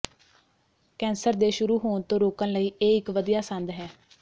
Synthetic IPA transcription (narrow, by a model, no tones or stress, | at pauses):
kɛ̃ːnsəɾd̪eːʃʊɾuːɦoːɳt̪õːɾoːkənləiːʔeːɪkʋəd̪ijaːsə̃nd̪ɦɛː